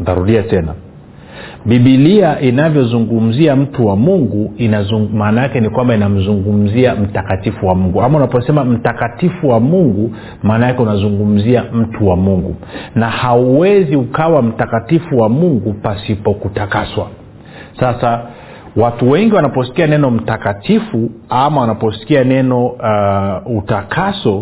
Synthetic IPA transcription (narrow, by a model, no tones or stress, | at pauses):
daɾuɗiatɛna̰ | ɓiɓiliaʔinavjɔzuŋɡum̩ziam̩tuwamuŋɡuinazumaːnajakɛnikwambainam̩zuŋɡum̩ziam̩takatifuwamuŋɡuamaunapɔsɛmam̩takatifuwamuŋɡu | maːnajakɛunazuŋɡum̩ziam̩tuwamuŋɡṵnahauwɛziukawam̩takatifuwamuŋɡupasipɔkutakaswa | sasa | watuwɛŋɡiwanapɔsi̥kianɛnɔm̩takatifuamawanapɔsi̥kianɛnɔ | utakʰasɔ